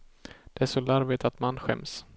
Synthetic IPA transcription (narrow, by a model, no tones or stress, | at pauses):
d̪̥ɛæːʂɔlaɾvɪt̪at̪manɧɛ̰ms